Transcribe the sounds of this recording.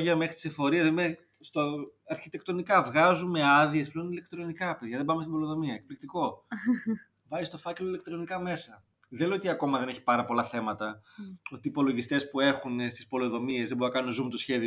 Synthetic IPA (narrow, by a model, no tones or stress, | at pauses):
ʝɐme̞xɾit̪isefo̞ɾiɐime | st̪oɐɾçit̪e̞kt̪o̞nikɐvɣɐzume̞ɐðie̞spleonile̞kt̪ɾo̞nikɐpe̞ðʝɐðebɐmest̪ibo̞loðo̞miɐek̚plik̚t̪iko̞ | vɐzist̪o̞fɐce̞loilek̚t̪ɾo̞nikɐme̞sɐ | ðeleot̪iɐko̞mɐðe̞neçi̥pɐɾɐpo̞lɐθe̞mɐt̪ɐot̪iːpo̞lo̞ʝist̪e̞spue̞xunest̪ispo̞loðo̞mie̞zðebounɐkɐnunezumet̪osçe̞ði